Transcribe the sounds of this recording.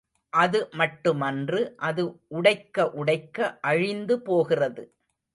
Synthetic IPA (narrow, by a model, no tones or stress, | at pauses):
ʔɐðɯmɐʈːɯmɐndrɯʔɐðɯʊɽɐɪkːɐʔʊɽɐɪkːɐʔɐɻɪnd̪ɯpoːɣɪrɐðɯ